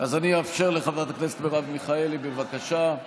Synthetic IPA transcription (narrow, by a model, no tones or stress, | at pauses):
azaniafʃe̞ʁleχavdat̪akneset̪beʁavmiχaelibevakaʃa